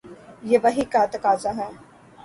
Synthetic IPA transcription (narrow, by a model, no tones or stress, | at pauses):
jeːʋɐɦikat̪ɐkaːzaɦɛ̃ː